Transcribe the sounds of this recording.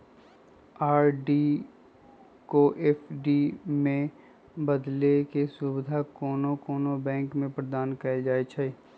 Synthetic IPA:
aːɾɖi | koːʔeːfʰɖimẽ | bəd̪lekesʊbɪd̪ʱakoːnokoːnobɛ̃ːŋkmẽpɾəd̪aːnkɐd͡ʒaːet͡ʃʰəi

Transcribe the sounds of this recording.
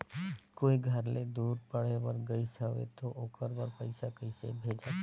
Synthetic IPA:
koːiɡʱəɾled̪uːɾpəɽ̤eʋəɾɡəisəʋḛt̪oʔoːkəɾbəɾpəɪsakəɪsḛbʱed͡ʒa

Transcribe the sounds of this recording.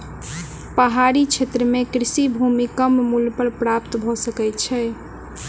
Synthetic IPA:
pəɦaɾit͡ʃʰet̪ɾəmekɾisibʱumikəmmulpəɾpɾapt̪bʱɔsəkɛt̪t͡ʃʰɛ

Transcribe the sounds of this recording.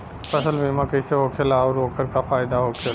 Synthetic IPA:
pɐsəlbʱimãkɐiseɦoːkʰelaɔːɾoːkəɾkafaːjd̪aɦoːkʰl

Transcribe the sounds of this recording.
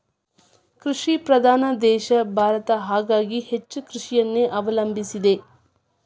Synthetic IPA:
kɾuʂipɾɐd̪ʱaːnɐd̪ɛːʃɐbʱaːɾɐt̪ɐɦaːɡaːɡihet͡ʃːukɾuʂijɐnːeːʔɐʋɐlɐmbʱisid̪e

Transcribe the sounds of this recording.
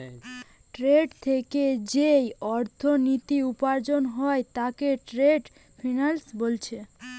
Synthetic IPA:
ʈɾeɖt̪ʰeked͡ʑejɔɾt̪ʰonit̪iupaɾd͡ʑonɦɔet̪akeʈɾeɖ | fʰinalsbolt͡ɕʰe

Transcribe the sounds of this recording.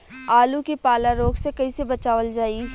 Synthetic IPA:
aːlũkipaːlaɾoːɡsekɐisebɐt͡ʃaːʋəld͡ʒaːi

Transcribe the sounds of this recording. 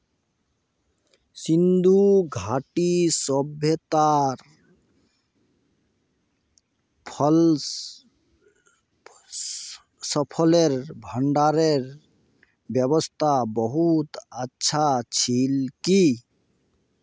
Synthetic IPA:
sind̪uɡʱaʈisɔbʱjet̪aɾ | pʰl | səpʰɔleɾbʱəɳɖaɾeɾ | bjʌβɔst̪ʰabɔɦut̪ətːʃʰat͡ʃʰilki

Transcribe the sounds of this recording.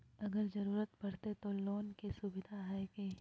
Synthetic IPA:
ɐɡəɾzɐɾuːɾət̪bɐɽ̤t̪et̪oloːnkesubɪd̪ʱaɦɛːkeː

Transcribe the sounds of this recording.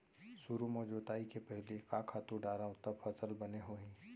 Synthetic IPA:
suɾumɔːd͡ʒoːt̪aːikepɛɦlekaːkʰaːt̪uɖaːɾaõt̪ɐbfʰɐsəlbɐneɦoːɦĩː

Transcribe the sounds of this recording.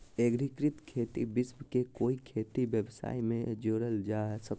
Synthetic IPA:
eɡɾikɾɪt̪kʰeːt̪ḭbɪsmkekoːikʰeːt̪ibjəbsa̰ːimẽd͡ʒoːɾəld͡ʒasək

